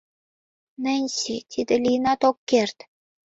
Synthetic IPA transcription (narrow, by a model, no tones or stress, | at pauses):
nɘ̆nʲsit̪ʲʰid̪ĕlʲijnɑt̪okːert̪